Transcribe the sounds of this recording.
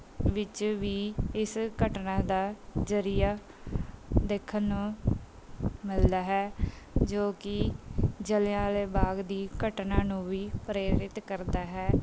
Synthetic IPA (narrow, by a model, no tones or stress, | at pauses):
ʋɪt͡ʃʋiːɪskəʈnãːd̪aːd͡ʒəɾijaː | d̪eːkʰːənːũː | mɪld̪aːɦɛːd͡ʒoːkɪd͡ʒəljãːleːbaːɡd̪iːkəʈnaːnũːʋiːpɾeːɾɪt̪kəɾd̪aːɦɛː